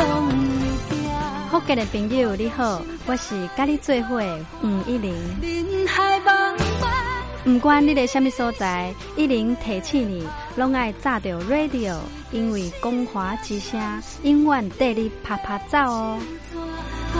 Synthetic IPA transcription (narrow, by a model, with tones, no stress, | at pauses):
hɔ˥˦ke˧ne˨˩pi˧nɡu˥˧˩li˦ho˥˧ | wa˧˦ɕi˨˩ka˦li˦t͡swe˥˧ɦwe˨ | ŋ̩˨˩i˦˥li˨˦ŋ˧ | ba˧ | m̩˨˩kwa˦nli˦e˧ɕja˧mi˦˧sɔ˦t͡sa˧j | i˦li˨˦ŋt̪ʰe˨t͡ɕʰĩ˧li˨˩ | lɔ˦˥ŋa˥˧jt͡sa˥˧˨t̪jo˨˩ɾwe˥˧d̪i˧˨o˨˩ | i˧ŋwi˨˩kɔ˦ŋhwa˨˦t͡ɕi˧ɕjã˦ | i˦ŋwa˥˨nt̪e˥˧li˦pʰa˧pʰa˧t͡sa˥˧w